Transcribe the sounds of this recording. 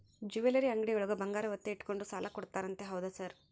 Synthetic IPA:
d͡ʒuʋelɐɾiɐŋɡɽiɡoɭuɡɐbɐŋɡaːɾɐʋɐt̪ːeiʈko̞ɳɖusaːlʔɐkɔɽt̪aːɾɐnt̪eɦɐwd̪ɐsɐɾ

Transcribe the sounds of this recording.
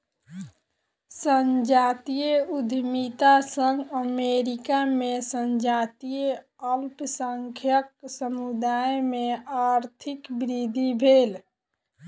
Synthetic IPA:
sənd͡ʒat̪ijeud̪ʱmit̪asəŋɡəmeɾikamesənd͡ʒat̪ije | əlpsəŋkʰjəksəmud̪ajmeaɾt̪ʰikbɾid̪ʱibʱel

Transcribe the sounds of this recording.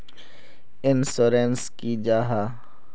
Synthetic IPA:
ɪnsoːɾenskid͡ʒaːɦaː

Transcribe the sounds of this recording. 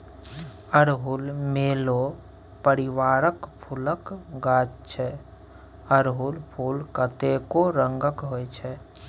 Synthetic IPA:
əɾɦʊlmeːlopəɾɪʋaːɾəkpʰʊləkɡaːt͡ʃt͡ʃʰɛ | əɾɦulpʰuːlkət̪ekoɾə̃ŋɡəkɦoet͡ʃʰɛ

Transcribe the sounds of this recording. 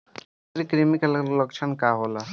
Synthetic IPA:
ɾikɾimikallɔkt͡ʃʰankaɦola

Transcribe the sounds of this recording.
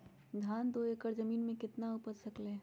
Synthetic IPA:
ɡ̪ʱaːnd̪oekəɾzəmiːnmẽkɪt̪naʊpəɾsɐkleː

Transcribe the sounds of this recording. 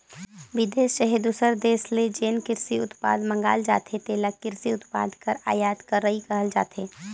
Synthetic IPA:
ʋɪd̪eːsʃəɦid̪usəɾd̪eːsled͡ʒeːnkɪɾsiʊt̪pa̰ːd̪mɐ̃ŋɡa̰ːld͡ʒa̰ːt̪et̪eːlakɪɾsiʊt̪pa̰ːd̪ʱkəɾa̰ːjaːd̪kɐɾːəɦikɐɦəld͡ʒa̰ːt̪ʰeː

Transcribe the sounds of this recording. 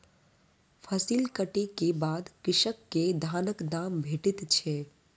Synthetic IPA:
pʰəsiːlkəʈekebaːd̪kɪʃəkːed̪ʱaːnəkd̪aːmbʱeːʈɪt̪t͡ʃʰeː

